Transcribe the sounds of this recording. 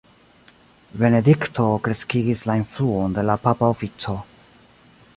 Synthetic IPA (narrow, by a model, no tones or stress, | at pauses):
be̞ne̞dikto̞kɾe̞skiɡislainfluonde̞lapapaofit͡so̞